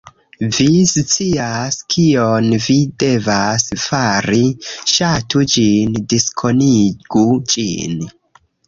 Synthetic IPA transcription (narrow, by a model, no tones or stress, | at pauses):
vist͡siaskʰionvide̞vasfaɾiʃatud͡ʒindiskʰo̞niɡ̥ud͡ʒḭn